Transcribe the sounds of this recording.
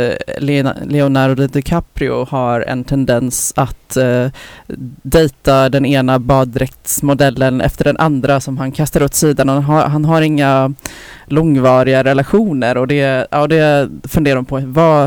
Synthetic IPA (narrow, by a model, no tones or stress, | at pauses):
llɛʊnaɾd̪ɛd̪ɪkʰapɾɪʊ̰haɾɛ̰nt̪ʰɛnd̪ɛnsat̪ | d̪ɛjt̪ad̪ɛneːnabɑːd̪ːɾɛk̚t̪smʊd̪ɛlːənɛ̰ft̪əɖɛnʔand̪ɾasɔmɦankʰast̪aɾɵt̪siːd̪anaɦaɦanɦaɾɪŋːa | lɔŋːvɑːɾɪɡaɾɛlaɧuːnəɾɔd̪ɛa̰ːd̪ɛfɵnd̪eːɾaʊmpʰɔva